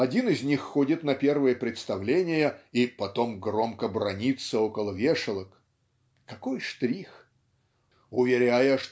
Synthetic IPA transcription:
ɐdʲinɪzʲnʲixːodʲɪt̪nɐpʲe̞rvəjəpɾʲɪt̪st̪ɐvlʲenʲɪjəipɐt̪o̞mɡro̞mkəbɾɐnʲit̪səokəlˠəvʲeʂɨlˠək | kɐko̞jʂt̪ɾʲix | ʊvʲɪɾʲajəʂ

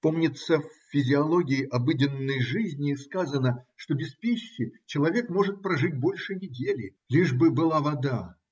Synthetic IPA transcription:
pomnʲɪt̪səfʲːɪzʲɪɐlˠo̞ɡʲɪɪʔɐbɨdʲɪnːəjʐɨzʲnʲɪːskazənəʂt̪obʲɪspʲiɕːɪt͡ɕɪlˠɐvʲe̞kmo̞ʐɨt̪̚pɾɐʐɨt̚ʲbo̞lʲʂɨnʲɪdʲelʲɪ | lʲiʐbɨbɨlˠavɐd̪a

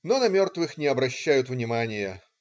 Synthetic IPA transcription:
nonɐmʲo̞rt̪vɨxnʲɪɐbɾɐɕːæjʊt̪vnʲɪmanʲɪjə

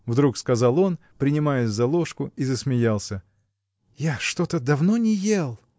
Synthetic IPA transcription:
vd̪ɾukskɐzɑlˠo̞n | pɾʲɪnʲɪmajɪsʲzɐlˠoʂkʊizəsmʲɪjalˠsʲə | jaʂt̪ot̪əd̪ɐvnonʲɪjelˠ

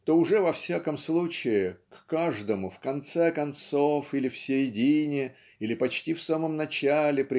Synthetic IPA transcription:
t̪o̞ʊʐɛvɐfsʲakəmslˠut͡ɕɪɪkːaʐd̪əmʊfkɐnt̪sɛkɐnt̪sofilʲɪfsʲɪɾʲɪdʲinʲɪ | ilʲɪpɐt͡ɕtʲifsaməmnɐt͡ɕalʲɪpɾʲɪ

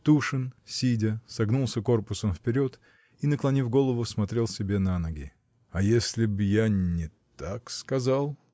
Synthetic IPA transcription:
t̪uʂɨnsʲidʲəsɐɡnulˠsʲəko̞rpʊsəmfpʲɪɾʲo̞t̪ | inəklˠɐnʲifɡo̞lˠəvʊsmɐt̪ɾʲe̞lˠsʲɪbʲe̞nanɐɡʲɪ̰ | ɐjesʲlʲɪbjanʲɪt̪akskɐzalˠ

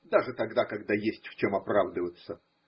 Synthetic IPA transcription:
d̪aʐɨt̪ɐɡd̪akɐɡd̪ajesʲtʲft͡ɕomɐpɾavd̪əvət̪sə

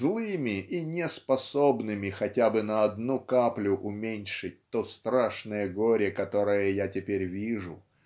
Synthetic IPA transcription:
zlˠɨmʲɪʔinʲɪspɐsobnɨmʲɪxɐtʲabɨnɐɐd̪nukaplʲʊʔʊmʲenʲʂɨt̚ʲt̪ust̪ɾaʂnəjəɡoɾʲɪkɐt̪o̞ɾɨjəjatʲɪpʲeɾʲvʲiʐʊ

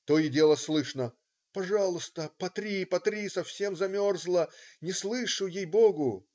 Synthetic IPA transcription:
t̪oɪdʲe̞lˠəslˠɨʂnə | pɐʐɑlˠʊst̪əpɐt̪ɾʲipɐt̪ɾʲisɐfsʲe̞mzɐmʲo̞rzlˠənʲɪslˠɨʂʊjejboɡʊ

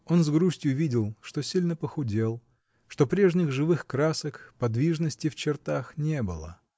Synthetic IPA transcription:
o̞nzɡɾusʲtʲjʊvʲidʲɪlˠʂt̪o̞sʲilʲnəpəxʊdʲe̞lˠ | ʂt̪o̞pɾʲe̞ʐnʲɪɣʐɨvɨxkɾasəkpɐd̪vʲiʐnəsʲtʲɪft͡ɕɪrt̪axnʲe̞bɨ̰lˠə̰

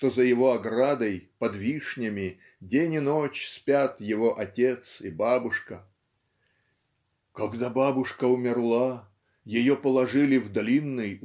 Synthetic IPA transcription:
t̪ozəjɪvo̞ɐɡɾad̪əjpɐd̪vʲiʂnʲɪmʲɪ | dʲenʲɪno̞t͡ɕsʲpʲat̪jɪvo̞ʔɐtʲe̞t̪sɪbabʊʂkə | kɐɡd̪ababʊʂkəʊmʲɪrlˠa | jɪjopəlˠɐʐɨlʲɪvd̪ɐlʲinːɨj

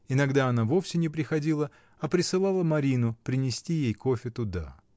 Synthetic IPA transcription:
ɪnɐɡd̪aɐnavo̞fsʲɪnʲɪpɾʲɪxɐdʲilˠə | ɐpɾʲɪsɨlˠalˠəmɐɾʲinʊpɾʲɪnʲɪsʲtʲijejkofʲɪt̪ʊd̪a̰

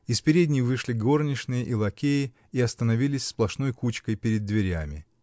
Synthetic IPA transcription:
ɪspʲɪɾʲedʲnʲɪjvɨʂlʲɪɡo̞rnʲɪʂnɨjəʔilˠɐkʲejɪ | iɐst̪ənɐvʲilʲɪsʲsplˠɐʂno̞jkut͡ɕkəjpʲɪɾʲɪd̪ːvʲɪɾʲæ̰mʲɪ̰

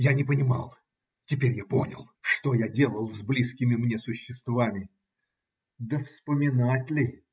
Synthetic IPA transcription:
janʲɪpənʲɪma̰lˠ | tʲɪpʲeɾʲjaponʲə̰lˠʂt̪ojadʲe̞lˠəlˠzblʲiskʲɪmʲɪmnʲe̞sʊɕːɪst̪vamʲɪ | d̪əfspəmʲɪnatʲlʲɪ

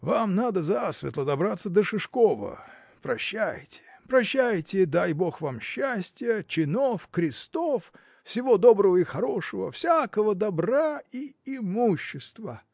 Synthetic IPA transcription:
vamnad̪əzasvʲɪ̰t̪lˠəd̪ɐbɾat̪səd̪əʂɨʂkovə̰ | pɾɐɕːæjtʲɪ̥pɾɐɕːæjtʲɪd̪ajbo̞xvamɕːæsʲtʲɪjət͡ɕɪnofkɾʲɪst̪of | sʲɪvo̞d̪o̞bɾəvəixɐɾo̞ʂəvə̰fsʲakəvəd̪ɐbraiɪmuɕːɪst̪və

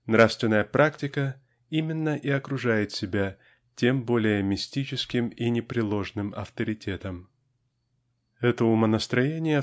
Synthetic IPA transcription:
nɾafst̪vʲɪnːəjəpɾʔaktʲɪkə | imʲɪnːəʔɪɐkɾʊʐajɪt̪sʲɪbʲa | tʲe̞mbo̞lʲɪjəmʲɪsʲtʲit͡ɕɪskʲɪminʲɪpɾʲɪlˠo̞ʐnɨmɐ̰ft̪əɾʲɪtʲe̞t̪əm | ɛt̪əʊmənəst̪ɾɐjenʲɪjə

